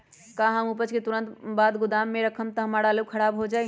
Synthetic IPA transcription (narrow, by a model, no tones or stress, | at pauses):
kaɦəmupət͡ʃket̪uɾənt̪bad̪ɡud̪amːeɾəkʰəmt̪əɦəmaɽaləb̚kʰəɾabɦod͡ʒaj